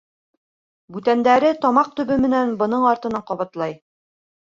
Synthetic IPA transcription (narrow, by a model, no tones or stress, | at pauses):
bʉt̪ænd̪æɾɘt̪ɒmɑq̚t̪ɵ̆βɘmɘ̆nænbɤ̆nɤɴɑɾt̪ɤ̆nɑqɒβɑt̪lˠɑj